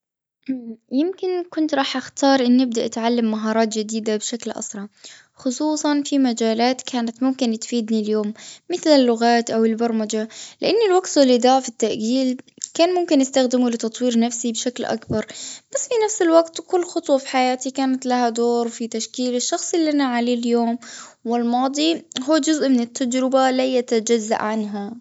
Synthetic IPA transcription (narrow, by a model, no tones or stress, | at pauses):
ʔjɪmkɪnkʊnt̪ɾˤɑːħʔaxt̪ɑːɾˤʔɪnːɪb̚d̪aʔat̪ʕalːamːaɦɑːɾˤɑːt̪d͡ʒɪd̪iːd̪abʃaklʔɑ̰sˤɾˤɑ | xʊsˤuːsˤɑnfimad͡ʒaːlaːt̪kʰaːnat̪mʊmkɪnt̪fiːd̪niljoːmːɪθlɪlːʊɣaːt̪ʔawɪlbɑɾˤmad͡ʒalɪʔanːɪlwaqt̪ʊlɪd̪aːʕfit̪ːaʔɡiːl | kaːnmʊmkɪnʔɪst̪axd̪ɪmulɪt̪ɑt̪ˤwiːɾnafsibʃaklʔa̰kbɑɾˤb̥asːfinafsɪlwaɡt̪kʊlːxʊt̪ˤwɑfi̥ħajaːt̪ikaːnat̪lahad̪oːɾfit̪aʃkiːlɪʃːɑxsˤɪliʔanaʕaleːljoːmwɪlmɑːd̪ˤiɦuːd͡ʒʊzʔmɪnɪt̪ːad͡ʒɾɪbalajat̪ad͡ʒazːa̰ʔʕanɦa